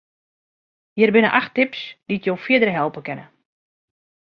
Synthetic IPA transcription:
jɪrbɪnəʔaxtɪpsditjowfjɪdəɾɦɛlˠpəkɛnə

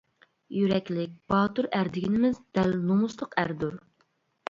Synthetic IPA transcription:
jyɾɛkʲlɪk̚ʲb̥ɑːt̪uɾæɾd̪ɪɡʲinɪmɪzd̪ɛlnomuslˠəqæɾd̪uɾ

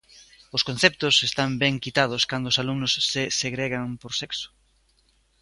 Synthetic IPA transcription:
ʊskon̟θɛp̚t̪ʊsest̪ambɛŋkit̪aðʊskand̪oʊːsalumnʊsːeseɣɾeɣaŋpoɾseksʊ̥

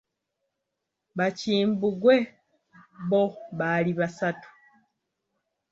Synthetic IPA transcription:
βaciːmbuɡwe̞ | βo̞βaliβasatu̥

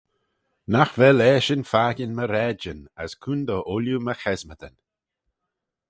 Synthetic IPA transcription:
naxvɛlɛːʃənfaɡənməɾɛd͡ʒənəskʰund̪ɔʔʊljuməxɛzməd̪ən

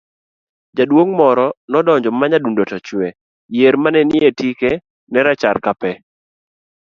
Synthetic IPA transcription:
d͡ʒadwoŋmɔɾɔnɔdɔɲd͡ʒɔmaɲadundotat͡ʃwɛ | jeɾmanɛnɪetike | nɛɾat͡ʃaɾkapɛ

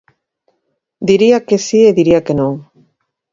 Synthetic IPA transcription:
d̪iɾiakesieðiɾiakenõŋ

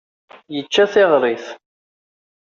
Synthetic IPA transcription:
jət͡ʃːæθɪʁɾˤiθ

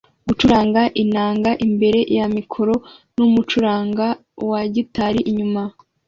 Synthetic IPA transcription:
ɡut͡ʃuɾaːŋɡaʔinaːŋɡaʔimbe̞ɾe̞jamikʰo̞ɾo̞ | numut͡ʃuɾaːŋɡa | waɟitaɾiʔiɲuma

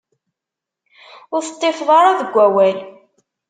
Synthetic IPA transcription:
ʊɾθə̥t̪ˤːefðˤɑɾˤaðəɡʷːæwæl

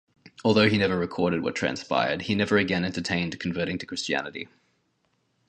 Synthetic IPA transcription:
ɔlˠðəʊinɛvəɹɨkʰɔɹɾɨd̚wə̰tʰɹ̥æ̰̃nspa̰ɪə̰˞d̚inɛvə˞ɨɡɛ̃nɛ̃ntə˞tʰẽɪ̃ndkʰə̃ɱvɜˑ˞ɾɪ̃ŋtʰɨ̥kʰɹ̥ɪst͡ʃiæ̰nɨɾḭ

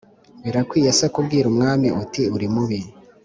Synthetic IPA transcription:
βiɾakwiːjasakubɡiːɾumŋaːmiʔutiuɾimuβi

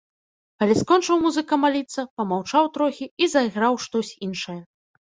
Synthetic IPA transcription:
kɐlʲiskɔnt͡ʂɨwmuzɨkɐmalʲit̪sːɐpɐmawt͡ʂawt̪ɾɔxʲiizɐiɣɾawʂt̪ɔsʲinʂɐjɐ

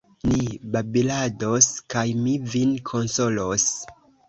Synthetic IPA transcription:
nibabiladoskajmivinkʰonso̞los

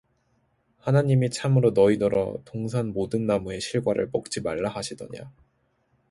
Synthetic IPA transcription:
hanaɲimit͡ɕʰamɯɾonʌidʌɾʌ̰toŋsʰanmodɯnːamue̞ɕʰiɭɡwaɾɯ̰ɭp͈ʌk̚t͡ɕ͈ʰimaɭːaɦaɕʰidʌ̰ɲa̰

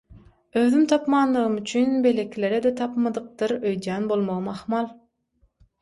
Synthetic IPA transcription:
øðymt̪ʰɑpmɑːnlːˠɯʁɯmyt͡ʃʰynbe̞lekʲʰile̞ɾed̪et̪ʰɑpmɑd̪ɯq̚t̪ɯɾøjd̪jæːnbo̞lˠmoʁɯmɑχmɑlˠ

